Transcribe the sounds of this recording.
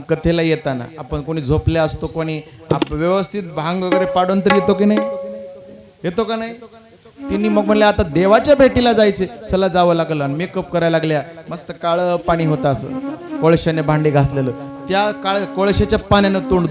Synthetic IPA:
kət̪ʰelajet̪ana̰apəɳkoɽ̃iːd͡zʱopljaəst̪okoɽ̃iːa̰pʋjəʋəst̪ʰit̪̚bʱãŋɡʋəɡəɾepaɽont̪əɾijet̪ok̬iːnaɦi | jet̪okanaɦi | t̪inːiːməɡm̤əɳljaat̪ad̪eʋat͡ɕjabʱeʈilad͡zajt͡set͡ɕəlad͡zaʋəːlaɡləanimiːkəp̚kəɾajlaɡljaməst̪əkaɭəpaɽ̃iːɦot̪aːsə̰ːkoɭɕanebʱãɳɖiːɡʱasleləːt̪jakaɭkoɭɕat͡ɕjapanjanet̪uɳɖd̪

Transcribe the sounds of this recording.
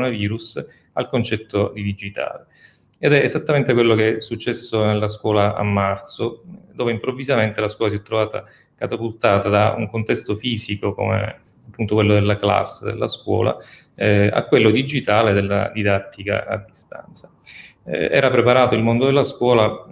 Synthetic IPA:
naviːɾus | alkont͡ʃɛt̪ːod̪id̪id͡ʒit̪a̰ːle | ed̪ɛʔezat̪ːament̪ekwelːokesːut͡ʃːɛsːonelːaskwɔːlaa̰mːart̪sod̪oːveimpɾovːizament̪elaskwɔːlas̬iɛt̪ːɾovaːt̪a̰ | kat̪apult̪aːt̪ad̪aṵŋkont̪ɛst̪ofiːzikoko̰mḛ | apːunt̪okwelːod̪elːakla̰sːd̪ḛlːa̰skwɔ̰ːla̰ | a̰kːwelːod̪id͡ʒit̪aːled̪elːa̰d̪id̪at̪ʰːika̰a̰d̪ːist̪a̰nt̪sḁ | ɛ̰ːɾapɾepaɾaːt̪oilmond̪od̪elːaskwɔːla

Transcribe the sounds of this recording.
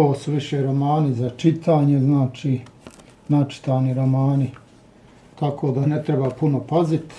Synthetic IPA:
oːsuʋiʃeːɾo̞maːnizat͡ʃit̪ʰaːɲe̞znaːt͡ʃiː | nat͡ʃi̥t̪aːniɾo̞maːni | t̪akʰoːd̪anet̪ɾebaːpuno̞pazit̪

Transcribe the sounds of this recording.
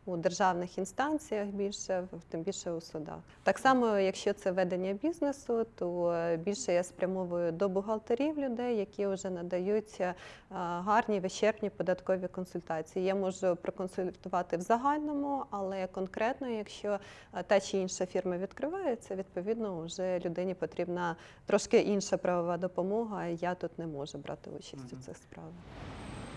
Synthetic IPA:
ʊd̪erʒɑwnɪxinst̪ɑnʲt͡sʲijɐxbʲilʲʃɛt̪ɪmbʲilʲʃɛʊsʊd̪ɑ̰xt̪ɑksɑmɔjɐkʃt͡ʃɔt̪sɛʋɛd̪enʲːɐbʲiznesʊt̪ɔbʲilʲʃɛjaspɾʲɐmɔʋʊjʊd̪ɔbʊɦɐlˠt̪ɐɾʲiwlʲʊd̪ɛjːɐkʲiʊʒɛnɐd̪ɐjutʲ | ɦɑrnʲiʋet͡ʃɛrpnʲipɔd̪ɐt̪kɔʋʲikɔnsʊlʲt̪ɑt͡sʲijijamɔʒʊpɾɔkɔnsʊlʲt̪ʊʋɑt̪ɪwzɐɦɑlʲnɔmʊɐlˠɛkɔnkɾʔɛt̪nɔjɐkʃt͡ʃɔ | t̪ɑt͡ʃiinʃɐfʲirmɐʋʲid̪kɾɪʋɑjɛt̪sʲɛʋʲid̪̚pɔʋʲid̪nɔʊʒɛlʲʊd̪ɪnʲipɔt̪ɾʲibnɐ | t̪ɾɔʃkɪʔinʃɐpɾɐʋɔʋɑd̪ɔpɔmɔɦɐjat̪ut̪nɛmɔʒʊbɾʔɑ̰t̪ɪ̰ṵt͡ʃɐsʲtʲʊt̪sɪxspɾɑʋɪ

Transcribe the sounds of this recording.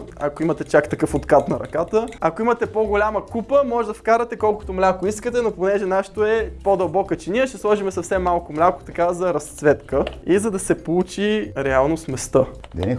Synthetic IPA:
ɐ̰koimɐt̪ɛt͡ʃakt̪ɐkɤfot̪kat̪nɐɾɐ̰kat̪əɐkoimət̪ɛpoɡolʲamɐkupəmɔʒɛd̪ɐfkaɾɐt̪ɛkɔlˠkʊ̥t̪omlʲakoiskət̪ɛnoponɛʒɛnaʃt̪oɛpod̪ɐlˠbɔkət͡ʃɛniəʃt̪ɛslˠɔʒimɛsɐfsɛmːalˠkomlʲakʊ̥t̪ɐkazɐɾɐst̪svɛt̪kəizɐd̪ɐsɛpout͡ʃiɾɛalˠnosmɛst̪əd̪ɛ̰

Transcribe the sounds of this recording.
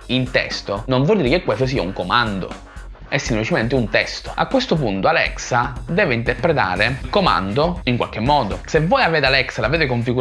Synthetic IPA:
int̪ɛ̰st̪onoɱvwɔld̪iɾekekːwest̪os̬iːauŋkomand̪o̰ | ɛsːimplit͡ʃement̪ɪunt̪ɛst̪o̥a̰kːwest̪ʊp̬unt̪oalɛ̰ksad̪ɛːveint̪eɾpɾet̪a̰ːɾekoma̰nd̪oiŋkwa̰lk̟emːɔːd̪osevːɔːjaveːt̪alɛksalaveːt̪ekoɱfiɡu

